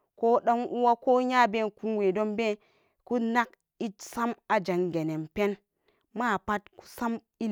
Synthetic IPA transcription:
ko˦ɗo˦ŋu˦wa˦ko˦ɲa˦be˦˨nku˦nwe˨do˦mbe˦ | ku˦na˦k̚ | i˦tsa˦ma˨d͡ʒa˨ŋɡe˨ne˨mpe˦n | ma˦˨pa˦tku̥˦sa˦m | i˦

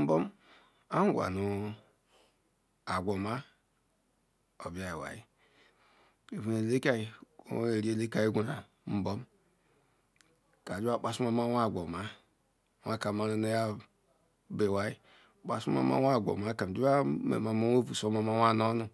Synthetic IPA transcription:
m̩˦bo˦m | a˦ɡʷa̰˨nu˨ | a˨ɡʷo˨ma˦ | o˨bi˦a˨ji˨wa̰˨jḭ˦ | e˨vu˨ne˨le˦ka˦ji˨o̰˦e˨ɾi˦e˦˨le˦ka˨ji˦ɡʷu˨ɾa˨ | m̩˨˦bo˦m˦ | ka˨d͡ʒi˦a˦k͡pa˨su˦ma˦ma˦wa˦˨ɡʷo˨ma˦˨ | wa˦ka˨ma˨˦na˦ne˦ja˦ | be˨wa˦ji˦˨ | k͡pa˨su˦ma̰˨˦ma̰˦wa˦˨ɡʷo̰˨ma˨˦ka˨m˨d͡ʒu˦wa˦mḛ˨ma˨mo˦o˦vu˨so˦ma˦ma˦wa˦˨no˦nu˨

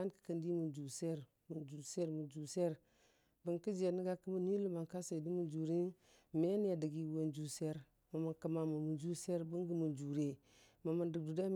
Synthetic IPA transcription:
a˦nkə̥˨kə˨˦ndi˦mu˨nd͡ʒu˨se˦ɾ | mu˨nd͡ʒu˨se˦ɾmu˨nd͡ʒu˨se˦ɾ | bə˨nkə˦d͡ʒe˨nə˦ɡa˦kə˦mə˦ni˦lu˦ma˨nka˦sa˨di˦mu˨nd͡ʒu˨ɾi˦n | me˦n˦ja˨də˨ɡi˦˨wo˨nd͡ʒu˨se˦ɾ | ma˨ma˨nkə˨ma˨mu˨mu˨nd͡ʒu˦se˦ɾbə˦ŋɡə˦mu˨nd͡ʒu˨ɾe˨ | ma˨mə˨ndə˨ɡ̚du˨da˦

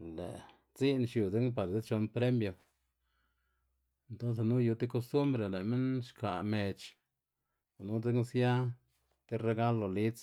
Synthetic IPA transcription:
lḛ˨ | t͡si˦nʃju˨de˦ŋpa˨ɾze˦t͡ʃo˧npɾe˦mjo˨ | e˨˧nt̪o˦ns̬e˨nu˦ju˧t̪i˦ko˧st̪u˦mbɾe˧˨le˨me˦nʃka̰˨me˨t͡ʃ | o˨nu˦de˦ŋsja˦ | t̪i˦ɾe˧ɡa˦lo˨li˦t͡s

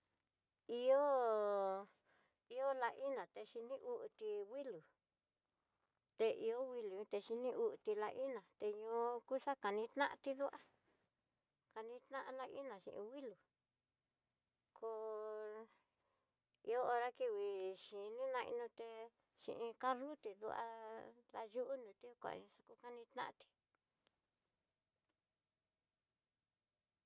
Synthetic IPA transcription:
i˧o˦ | i˧o˦la˧ʔi˦nã˨t̪e˧ʃi˧nĩ˦ʔu˦ʔt̪i˧wi˦lu˨ | t̪e˧ʔi˧o˦wi˧lu˨ɲũ˧t̪e˧ʃi˧nĩ˦ʔu˧ʔt̪i˧la˧ʔi˦nã˨t̪e˧ɲõ˧ku˦ʂa˦ka˨˧nĩ˧t̪nã˦ʔã˧t̪i˦ðu˦ʔa˦ | ka˧nĩ˧t̪nã˦ʔa˧la˧ʔi˦nã˨ʃḭ̃˧ʔḭ̃˧wi˦lu˨ | kʰo˧ | i˧o˦o˧ɾa˦ki˧˨wi˧˨ʃi˨nĩ˦nã˧ḭ˧nũ˧t̪e˧ | ʃḭ̃˧ʔĩ˧ka˦ru˦t̪e˨ðṵ˧ʔa̰˧ða˧ʒu˦ʔu˦nũ˨˧t̪i˦kʷa̰˨˧ĩ˧ʂa˧ku˧ka˦nĩ˧t̪nã̰˦˧t̪i̥˧

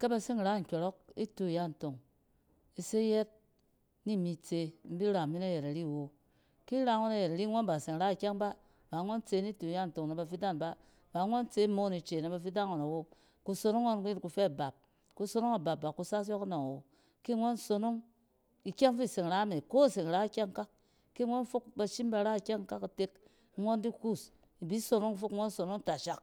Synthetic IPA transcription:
ke˦ba˧si˦ŋ˨ɾa˦˨ŋ̩˨kʲo˨ɾo˦k̚ḭ˦tu˨ja˦˨n̩˨to˨ŋ | i˨se˦je˦t̚ | ni˦˨mi˨t͡se˧m̩˦bi˦ɾa˨mi˦na˦je˨ɾa˨ɾi˦˨wo˨ | ki˦ɾa˧ŋo˦na˨je˨ɾa˨ɾi˦ŋʷo˦nba˨se˨ŋ˨ɾa˦i˨kʲe˦ŋba˦ | ba˨˦ŋo˦nt͡se˧˦ni˦tu˨ja˦n̩˨to˨ŋna˨ba˧fi˦da˦˨nba˦ | ba˨˦ŋʷo˦nt͡se˦mo˦ni˨t͡ʃe˨na˨ba˨fi˦da˦n˨o˨na˨wo˦ | ku˧so˧no˦ŋːo˦nku˦ji˦ɾku˨˧fe˦˨ba˨p̚ | ku˧so˦no˦ŋa˨ba˨b̚ba˨ku˧sa˦s̬jo˦kno˨ŋ˨wo˨ | ki˦ŋo˦nso˧no˦ŋ | i˨kʲe˦ŋfi˦˨se˨ŋ˨ɾa˦me˨ko˦˨se˨ŋ˨ɾa˦i˦kʲe˦ŋka˦k̚ | ki˦ŋo˦nfu˦kba˧ʃi˦mba˧ɾa˦i˨kʲe˦ŋka˦ka˨te˦k | ŋo˦ndi˦ku˦˨s | i˨bi˦so˨no˦ŋ˦fu˦kŋo˦nso˨no˦ŋta˨ʃa˨k

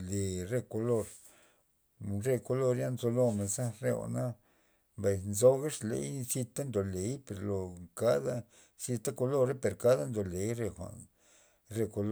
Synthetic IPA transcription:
le˧re˧ko˧lo˧ɾ | ɾe˧ko˧lo˧ɾja˦nzo˧lo˧me˨za˦ɾe˧wa̰˨na˦ | mba˨jnzo˧˦ɡa˦ʂlḛ˧˦jsi˧t̪a˦nd̪o˨le˨˦jpe˨ɾlo˨ka˦d̪a˦ | si˧t̪a˦ko˧lo˦ɾe˦pe˨ɾka˦d̪a˦nd̪o˨le˨˦jɾe˧xʷa̰˨ | ɾe˧ko˧l

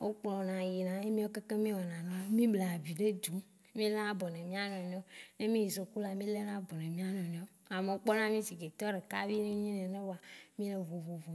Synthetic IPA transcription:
wo˦k͡plɔ˨nã˨ji˨nã˨e˦mĩ˦o˦ke˦ke˦mĩ˦wɔ˨nã˨nɔ̃˦mĩ˦ble˨a˨vi˨ɖe˦d̪u˨˦ | mĩ˦le˦na˦bɔ˨nɛ̃˨mĩ˦a˦nɔ̃˨ne˨o˦ne˦mĩ˦ji˨so˨ku˦la˨mĩ˦le˦nã˦bɔ˨nɛ̃˨mĩ˦a˦nɔ̃˨nẽ˨˦o˦a˨me˨o˦k͡pɔ˦nã˦mĩ˦si˨ɡe˨t̪ɔ˦ɖe˨ka̰˦vi˦nũ˦ɲĩ˦nɛ̃˨nẽ˦wo˦a˨mĩ˦lɛ˨vo˨vo˨vo˨

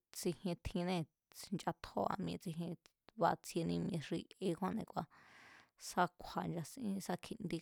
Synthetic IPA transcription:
t͡si˧hẽ˧t̪ʰĩ˧nẽ˦˧ | nt͡ʃa˧t̪ʰo˦a̰˧m̃˧ḛ̃˧t͡si˧ɦẽ˧ | βa˧t͡sʰje˧nĩ˧m̃˧ẽ˧ʂi˧e˧kwã˦nẽ˧kʷa˧ | sa˧kʷʰa˨nd͡ʒa˧sʔĩ˦˧sa˧kʰi˧nd̪i˧

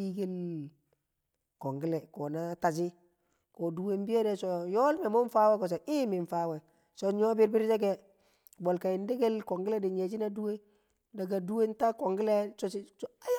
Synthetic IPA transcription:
i˦ɡe˦l | kɔ˨ŋɡi˦lɛ˨kɔ˨na˦ta˨d͡ʒi˦ | ko˨du˦we˦m˦bi˦je˦dɛ˦so˨jɔ˦lmɛ˨mo˦n˦fa˦wɛ˦kɔ˨s̬a˨ʔi˦mi˨nfa˦wɛ˨ | so˨ɲɔ˦bi˦ɾbi˦ɾd͡ʒɛ˦ɡɛ˦ | bɔ˨lka˨i˨ndi˦ɡe˦lkɔ˨ŋɡɪ˦le˦di˨ɲe˨d͡ʒi˦na˦du˦we˦ | da˨ɡa˨du˦we˦n˦ta˦kɔ˨ŋɡi˦le˦sɔ˨t͡ʃi˦sa˦j

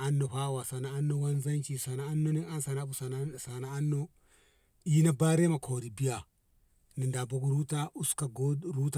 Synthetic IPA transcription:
a˦nːo˨ɸa˦wa˨sa˨naː˨˦nːo˦˨wa˦nza˦nt͡ʃi˨sa˨naː˨˦nːo˦ni˦ŋa˦nsa˨na˦bu˨sa˨sa˨na˦a˦nːo˦ | i˦na˦ba˦ɾe˦ma˨kʰo˨ɾi˨bi˦ja˨ | ni˨nda˨bo˦ɡu˦ɾu˦ta˦u˦ska˨ɡo˦ɾu˦ta˨

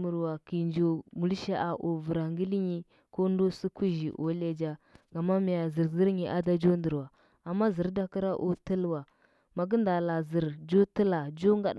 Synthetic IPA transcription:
mu˨ɾwa˨ki˨nd͡ʒo˨mu˨li˦ʃa˦ʔa˨ʔo˨və˨ɾa˨ŋɡi˦li˦ɲi˦ | ko˦n˦do˦su˦ku˦ʒi˨ʔo̰˨˦le˦d͡ʒa˦ɡa˨ma˦mi˨ja˨zə˨ɾzə˦ɾɲi˨ʔa˦da˦d͡ʒo˦ndə˨ɾwa˨ | a˨mːa˦zə˨ɾda˦ki˦ɾa˦ʔo̰˦tə˦lwa˨ | ma˨ɡə˦nda˨la˨zi˨ɾd͡ʒo˦tə˦la˨d͡ʒo˦ŋɡa˨ɗ

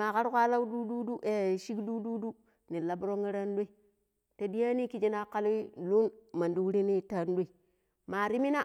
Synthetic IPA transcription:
a˨ka˦ɾkʷa˦la˦wdu˦du˦du˦ʔe˨ʃi˦kdu˦du˦du˦ | ni˨la˨bɾo˦ŋi˦ɾa˦n˦do˦i˨ | ta˨di˦ja˦ni˦ki˦d͡ʒi˦na˦ka˦li˦lu˦nma˨ndi˦wɾi˦ni˦ta˦n˦do˦i˨ | ma˨ɾi˦mi˦na˦

